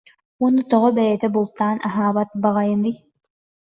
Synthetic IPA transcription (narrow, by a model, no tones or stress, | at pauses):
uɔnːut̪ɔʁɔbɛɾɛt̪ɛbulˠt̪aːnʔɐɦaːbɐt̪̚baʁɐjɯnɯj